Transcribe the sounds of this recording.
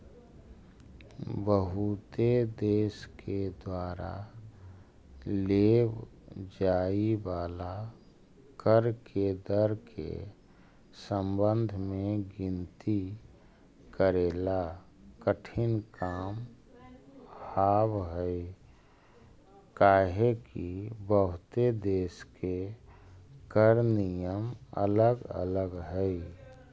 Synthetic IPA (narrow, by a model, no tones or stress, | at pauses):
bəɦut̪ed̪eːsked̪waːɾa̰ | leːb | d͡ʒaːibaːla | kəɾked̪əɾkʰḛ | səmbənd̪ʱmẽɡɪnt̪i | kəɾeːla | kəʈʰɪnkaːm | haːbɦəi | kaːɦekibəɦʊt̪ed̪eːske | kəɾnijəmə̰ləɡə̰ləɡɦəi